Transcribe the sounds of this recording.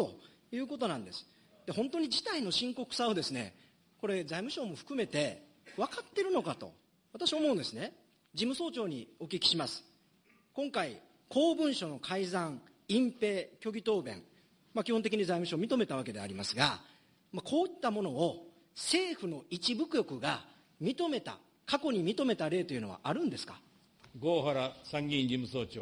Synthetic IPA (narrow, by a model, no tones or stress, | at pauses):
o̞ | jɯ̟ːko̞t̪o̞nãnd̪e̞sɨ̥ | d̪̥eɦõ̞nt̪o̞ɲ̟id͡ʑit̪aino̞ɕĩŋko̞kɯ̟̥sao̞d̪e̞sɨne̞̰ | ko̞ɾe̞zaimɯ̟ɕo̞ːmo̞ɸɯ̟̥kɯ̟me̞t̪e̞ | βakat̪ːe̞ɾɯ̟no̞kat̪o̞̰ | βat̪aɕiaomõ̞ɯ̃nd̪e̞sɨne | d͡ʑimɯ̟so̞ːt͡ɕo̞ːɲ̟ḭo̞kʲikʲi̥ɕimasɨ̥ | kõ̞ŋkai | kʰo̞ːbɯ̟̃ɰ̃ɕo̞no̞kʰaizãŋ | ĩmpe̞ːkʲo̞ɡʲit̪o̞ːbẽ̞̰ŋ | makʲihont̪ek̬ʲiɲ̟izaimɯ̟ɕoːmʲit̪o̞me̞t̪aβ̞ake̞d̪e̞a̰ɾʲimasɨɡa | makʰo̞ːit̪ːamo̞no̞ː | se̞ːɸɯ̟no̞it͡ɕibɯ̟kɯ̟jo̞kɯ̟ɡa | mʲit̪o̞me̞t̪a̰ | kako̞ɲ̟imʲit̪o̞me̞t̪aɾe̞ːt̪o̞jiɯ̟nβa̰ʔaɾɯ̟̃nd̪e̞sɨ̥kḁ̰ | ɡoːɦaɾasãŋɡʲĩɲd͡ʑimɯso̞ːt͡ɕoː